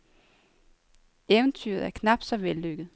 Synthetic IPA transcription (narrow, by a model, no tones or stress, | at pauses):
eʊənt͡sʰy̰ɐð̞̩ˠæɐkʰnɑ̈b̥d̥sɒ̽ʋelːøɡ̥ð̩ˠ